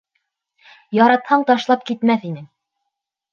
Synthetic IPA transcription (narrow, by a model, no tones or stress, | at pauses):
jɑɾɑt̪hɑɴt̪ɑʃlˠɑp̚kit̪mæθinɘm